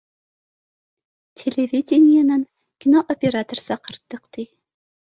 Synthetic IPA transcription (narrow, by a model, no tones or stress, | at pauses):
tʲʰelʲevʲidʲenʲɪjanən | kʲinoʔopʲeɾat̪orsɑqə̆ɾt̪ːɤqt̪i